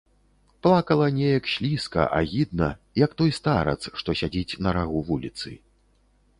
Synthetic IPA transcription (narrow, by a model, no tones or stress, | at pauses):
plˠakɐlˠɐnʲɛjɐkɕʲlʲiskɐ̰ʔa̰ɣʲid̪nɐ | jɐkt̪ɔjst̪aɾɐ̰t̪sʂt̪ɔsʲad͡zʲit͡sʲnɐɾaɣuvulʲit̪sɨ̰